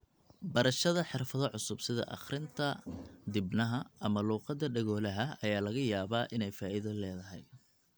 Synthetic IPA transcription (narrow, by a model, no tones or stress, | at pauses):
bɐɾɐʃɐðɐħɪrfɐðɔʕʊsʊbsɪðɐ̰ʔɑ̰χrɪnt̪ʰɐd̪ɪbnɐɦɐɐmɐluːqɑd̪ːɐɖɐɣɔːlɐɦɐɐjaːlɐɣɐjaːβaːʔɪnɛjfaːʔɪðɐlɛːðɐɦɛj